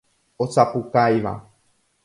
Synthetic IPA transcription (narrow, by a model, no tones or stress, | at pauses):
osapukajʋa̰